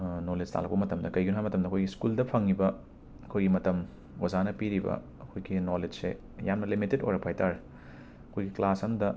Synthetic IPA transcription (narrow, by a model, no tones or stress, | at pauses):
noled͡ʒtʰa̰lɐk̚pɐmɐtɐmdɐkɐjɡunuɦajmɐtɐmdɐkʰojɡiskuldɐpʰɐŋːibɐ | ɐkʰojɡimɐtɐm | wɐzanɐpiɾibɐ̰ | ɐkʰojɡinoled͡ʒsḛ | janmɐlimitedo̰jɾɐpʰajtaɾ | ɐkʰojɡiklasɐmdɐ